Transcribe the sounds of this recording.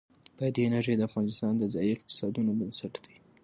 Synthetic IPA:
pəd̪enaʒejd̪əafɣɑnɪst̪ɑnd̪əzɑjiɪq̚t̪ɪ̥sɑd̪unobənsaʈd̪a

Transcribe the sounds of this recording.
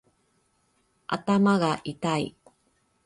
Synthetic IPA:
ʔa̰tamaɣaʔitaj

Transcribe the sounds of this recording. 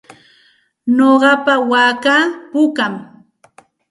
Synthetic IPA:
noɢɑpawaːkapʊkam

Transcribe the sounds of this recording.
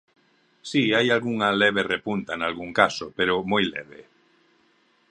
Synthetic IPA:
siajalɣuŋaleβ̞erepunt̪aenalɣuŋkasopeɾomojlɛ̰β̞e

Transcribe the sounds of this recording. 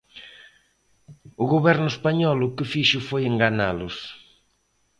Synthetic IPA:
ʊɣoβɛɾnʊespaɲɔlʊkɪfiʃʊfojeŋɡana̰lʊs

